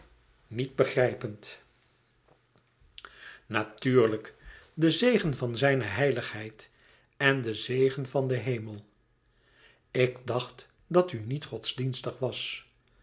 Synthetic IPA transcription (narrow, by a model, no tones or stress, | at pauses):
nit̚bəχrɛjpənt | natyːɹləkdəzejχənvɑnzɛjnəɦɛjləχɦɛjt | ɛndəzejχənvɑndəɦejməlˠ | ɪɡdɑχt | dɑtynitχɔtzdinstəχʋɑs